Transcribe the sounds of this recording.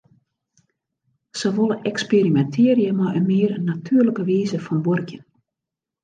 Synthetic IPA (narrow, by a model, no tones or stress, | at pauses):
səʋolˠəʔɛkspeɾimɛntʰɪːɾjəmaʔənmɪərnatʰyːərləkəʋiːzəfɔnbɔrkjən